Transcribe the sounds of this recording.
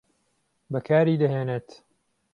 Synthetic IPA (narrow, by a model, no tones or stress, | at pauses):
bɐkʰaːɾiːd̪ɐɦeːnet̪